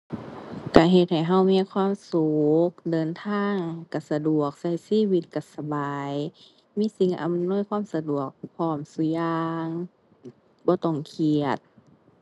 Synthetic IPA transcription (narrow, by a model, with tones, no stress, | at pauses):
ka˧˩ɦe˧˩t̪̚ha˨˩jɦa˧˩wmiː˧˥˨kʰwaː˧˥˨msu˨k̚dɤː˨˦nt̪ʰaː˧˥˨ŋka˨˧˩sa˧du˨˩ək̚sa˧˩jsiː˧˥˨wi˧˦t̪̚ka˧˩sa˧baː˨˦˨j | miː˧˥˨si˨˧˦ŋʔa̰˧˨mnu˧˥˨jkʰwaː˧˥˨msa˧du˨˩ək̚pʰɔː˧˩msu˧˦jaaː˧ŋ | bɔː˧˦t̪ɔ˧˩ŋkʰi˨˩ət̪̚